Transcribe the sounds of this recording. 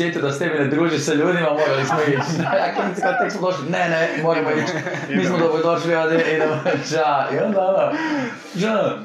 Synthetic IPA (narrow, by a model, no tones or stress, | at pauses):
jet̪ijud̪ast̪ebined̪ɾuːʒiseʎuːd̪imamoɾalismoit͡ʃaakonit̪sikat̪eksmod̪oʃlinenemoɾɐmoit͡ʃ | miːsmod̪obɾod̪oʒiliod̪jeʔid̪emot͡ʃaiond̪aond̪a | ʒəno